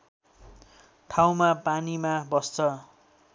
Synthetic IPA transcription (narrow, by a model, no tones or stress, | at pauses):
ʈʰaw̃mapanimabʌst͡sʰʌ